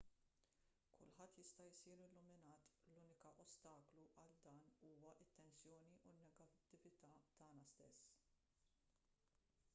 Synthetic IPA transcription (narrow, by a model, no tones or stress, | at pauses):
kʰʊ̰lħɐt̪ːjɪst̪ɐɪsiːɾɪlːʊmɪnɐːt̪luːnɪkɐʔɔst̪ɐːkluʔɐld̪ɐːnuːwɐʔɪt̪ːɛnsjɔːniʔunːɛɡɐt̪ːɪvɪt̪ɐt̪ɐːnɐst̪ɛsː